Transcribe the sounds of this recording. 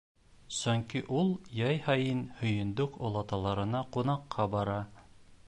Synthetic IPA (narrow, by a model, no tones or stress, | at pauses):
sɵŋkiʔulˠjɑjhɑjɤnhɵ̆jɵ̆nd̪ɵkŏlˠɑt̪ɑlˠɑɾɤ̆nɑqunɑqʰːɑbɑɾɑ